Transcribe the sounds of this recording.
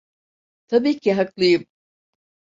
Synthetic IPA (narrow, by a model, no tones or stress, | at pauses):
t̪ʰabiːcʰiɦaklˠɯjɯm